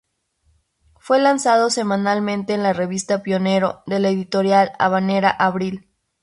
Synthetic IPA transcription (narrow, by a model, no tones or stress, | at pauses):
fwe̞lansaðo̞se̞mãnalmẽnt̪e̞ːnlare̞βist̪apjo̞ne̞ɾo̞ðe̞leðit̪o̞ɾjala̰βane̞ɾaʔaβɾil